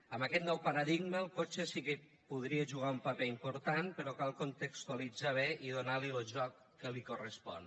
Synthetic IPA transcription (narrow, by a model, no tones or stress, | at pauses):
əmakɛt̪nɔwpaɾaðiɡməːlˠkot͡ʃesike | puðɾieʒuɣaumpapeimpuɾt̪anpeɾɔkalˠkont̪ekst̪ualid͡zaβ̞eʔiðonaliəlʒɔkːəlikorəspɔ̰n